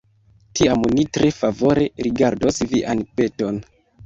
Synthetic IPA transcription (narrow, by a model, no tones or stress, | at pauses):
tiamnitɾe̞favo̞ɾe̞ɾiɡaɾdosviʔanpe̞to̞n